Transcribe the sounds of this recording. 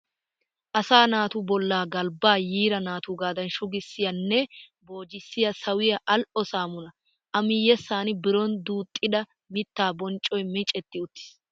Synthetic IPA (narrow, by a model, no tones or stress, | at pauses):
ʔɐsaːnaːt̪uːbɔlːaːɡɐlbaːjiːɾɐnaːt̪uːɡaːd̪ɐnʃʊɡɪsːɪjɐnːɛ | bo̞ːd͡ʒɪsːɪjɐsɐwɪjɐʔɐlʔɔsaːmʊnɐ | ʔɐmɪjɛsaːnɪbɪɾɔnd̪uːt̪ʼːɪd̪ɐ | mɪt̪ːaːbɔnt͡ʃʼːɔjmɪt͡ʃʼɛt̪ːɪʊt̪ːɪ̥s